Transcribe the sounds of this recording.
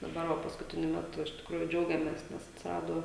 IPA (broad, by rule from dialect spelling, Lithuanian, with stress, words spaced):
dɐˈbɐr ˈʋɐ pɐskʊˈtʲɪnʲʊ ˈmʲæːtʊ ɪʃ tʲɪkˈruːjʊ ˈd͡ʒʲɛʊɡʲɛmʲeːs nʲɛs ɐtʲsʲɪˈrɑːdoː